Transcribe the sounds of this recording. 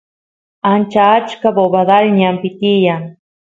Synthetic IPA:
ant͡ʃaːt͡ʃkaboβad̪alɲampit̪ijaŋ

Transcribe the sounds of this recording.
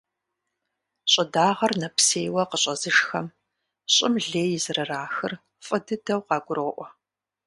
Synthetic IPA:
ɕʼɐdaːʁɐrnɐpseːjwɐqəɕʼɐzɨʂxɐm | ɕʼɪmɮeːjɪzɨrɐraːxɨr | fʼɨdɨdɐwqɑːɡʷʊɾoːʔʷɔ

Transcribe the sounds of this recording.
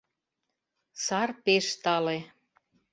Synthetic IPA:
sɑrpeʃt̪ɑle

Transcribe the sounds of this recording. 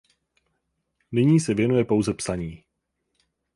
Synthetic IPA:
nɪɲiːsɛvjɛnujɛpo̞wzɛpsaɲiː

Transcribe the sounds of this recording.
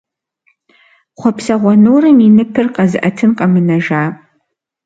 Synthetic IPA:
χʷɔpʰsɐʁʷɐnorɨminɨpʰɨrqʼɐzɨʔɐtʰɨnqʼɐmɨnɐʒaː

